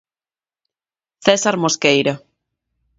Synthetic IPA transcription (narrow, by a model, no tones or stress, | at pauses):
θɛsaɾmoskejɾa